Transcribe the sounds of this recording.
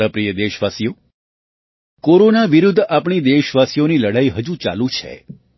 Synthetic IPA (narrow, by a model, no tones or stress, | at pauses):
əpɾijəd̪eʃʋasijo | koɾonaʋiɾud̪ʱːapɳid̪eʃʋasijoniləɽaiɦəd͡ʒũt͡ʃa̰lũt͡ʃʰḛ